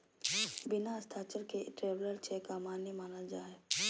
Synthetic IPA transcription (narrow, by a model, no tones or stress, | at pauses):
bɪnast̪ʰaːt͡ʃəɾkeʈɾeːʋləɾt͡ʃʰekamaːnimaːnəld͡ʒaːe